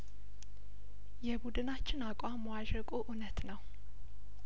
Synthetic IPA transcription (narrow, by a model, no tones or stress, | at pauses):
jɛbud̪ɨnat͡ʃːɪnakʼwamːəwaʒəkʼoʔunət̪nəw